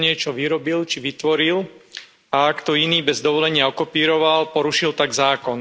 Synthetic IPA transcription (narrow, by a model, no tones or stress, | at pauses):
ɲɪɛt͡ʃɔʋiɾɔbilt͡ʃiʋit̪ʋɔɾil | aakt̪ɔiniːbɛzd̪ɔʋɔlɛɲɪaɔkɔpiːɾɔʋalpɔɾuʃilt̪aɡzaːkɔn